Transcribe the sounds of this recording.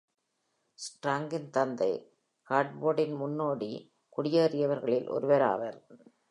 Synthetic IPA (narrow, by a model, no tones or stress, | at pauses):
sʈɾaːŋɡɪnt̪ɐnd̪ɐɪ | kaːʈ̚boːɽɪnmʊnːoːɽi | kʊɽɪjaːɾɪjɐʋɐɾɣɐɭɪlʔɔ̰ɾɯʋɐɾa̰ːʋɐɾ